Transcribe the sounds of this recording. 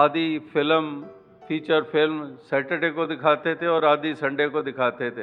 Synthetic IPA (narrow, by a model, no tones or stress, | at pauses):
aːd̪ifʰɪlm | pʰiːt͡ʃəɾpɪlmsɛːʈeʈekod̪ɪkʰaːt̪et̪ʰeɔːɾaːd̪isɐ̃ɳɖekod̪ɪkʰaːt̪et̪ʰe